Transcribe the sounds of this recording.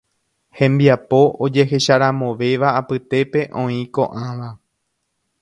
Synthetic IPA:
hẽ̞mbiapo̞ʔod͡ʒe̞ɦe̞ʃaɾãmõ̞ʋe̞ʋaːpɨt̪e̞pe̞ʔõ̞ĩko̞̰ʔãʋa

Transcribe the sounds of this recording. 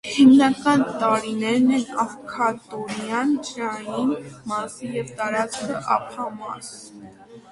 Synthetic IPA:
himnɑkɑnt̪ɑɾinɛɾnɛnɑvkʰɑt̪ɔɾjɑnd͡ʒɾɑjinmɑsijɛvt̪ɑɾɑt͡skʰəʔɑ̰pʰɑmɑ̰s

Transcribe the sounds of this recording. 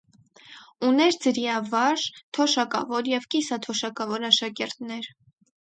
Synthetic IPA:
unɛɾd͡zəɾjɑvɑɾt̪ʰɔʃɑkɑ̰vɔɾjɛvkisɑt̪ʰɔʃɑkɑvɔɾɑʃɑkɛɾt̪nɛɾ

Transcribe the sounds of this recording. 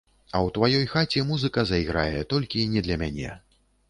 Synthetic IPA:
ɐwt̪vajɔjxat͡sʲɛmuzɨkɐzɐiɣɾa̰jɛt̪ɔlʲkʲinʲɛd̪lʲɐmʲanʲɛ̰

